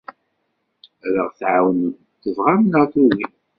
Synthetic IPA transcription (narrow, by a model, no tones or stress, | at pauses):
ɾəʁθʕawən | t̪ːəvʁamnat̪ˤuwi